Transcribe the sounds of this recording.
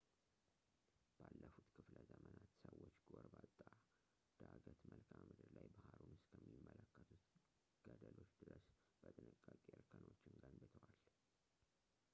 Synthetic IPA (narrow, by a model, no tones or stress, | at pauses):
b̥alːəfut̪kʰɨfləzəmənat̪səwːot͡ʃːɡoɾbat̪ʼːa | d̪̥aɡət̪məlkʰammɨd̪ɨɾlajbahaɾunɨskʰəmːimːələkːət̪ʰut̪ | ɡ̥əd̪əlo̞t͡ʃːd̪ɨɾəs | b̥ət̪ʼɨnɨkʼːakʼiəlkʰʼːəno̞t͡ʃːɪnɡənbɨt̪ʰəwal